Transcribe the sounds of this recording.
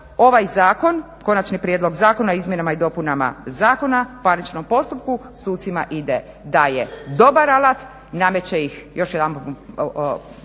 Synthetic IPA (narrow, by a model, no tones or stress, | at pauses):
o̞ʋajzaːko̞n | ko̞nat͡ʃnipɾjed̪lo̞ɡzaːko̞naoizmjenamaid̪o̞punama̰zaːko̞napaɾnit͡ʃno̞mpo̞st̪upkusuːt̪sima̰ʔid̪e | d̪ajed̪o̞baɾalat̪ | namet͡ɕeixjo̞ʃjed̪anp